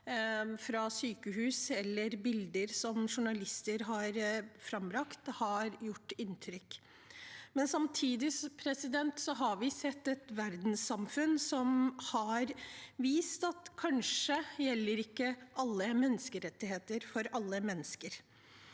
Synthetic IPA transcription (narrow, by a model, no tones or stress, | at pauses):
fɾɑsyːkəɦʉːsɛlːəɾbɪld̪əɾsɔmʂʊɳɑlɪst̪əɾɦɑɾfɾɑmbɾɑkt̪hɑɾjʊʈːɪnt̪ʰɾʏkː | mɛnsɑmt̪ʰiːd̪ɪspʰɾɛsɪd̪ɛnt̪sɔɦɑɾʋɪsɛt̪ːɛt̪ʋæɾd̪n̩sɑmfʉnsɔmhɑɾʋiːst̪ɑt̪kʰɑnʂəjɛlːəɾɪkːəʔɑlːəmɛnːəskəɾɛt̪ːɪɦeːt̪əɾfɔɾɑlːəmɛnːəskəɾ